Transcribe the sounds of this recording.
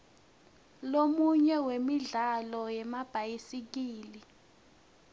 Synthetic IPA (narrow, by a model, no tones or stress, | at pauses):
lomuɲɛwemiɮalɔjɛmab̥ʱajisik̬iːli